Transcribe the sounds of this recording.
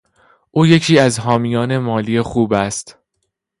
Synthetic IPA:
ʔuːje̞cʰiːæzɦɒːmijɒːne̞mɒːliːexuːbæst̪

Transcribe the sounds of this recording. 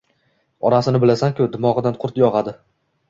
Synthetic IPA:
ɒɾasɪnɪbɪlasaŋkʲʰʊd̪ɪmɒʁɨd̪anqʰʊɾt̪jɒʁɑd̪ɪ

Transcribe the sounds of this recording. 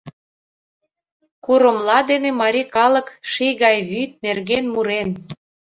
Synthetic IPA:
kuɾə̆mlɑd̪enemɑɾʲikɑlə̆kʃijɣɑjβyt̪̚nerɣenmuɾen

